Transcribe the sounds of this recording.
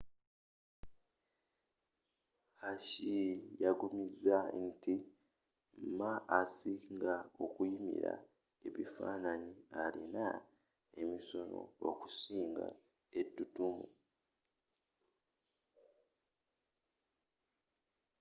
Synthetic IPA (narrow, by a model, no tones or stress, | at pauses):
haʃijaɡumizanti | mmaːsiŋɡaokujimḭɾa̰ | eβifa̰ːnaɲialina | e̞miso̞no̰o̰ku̥siːŋɡa̰ | etːutumṵ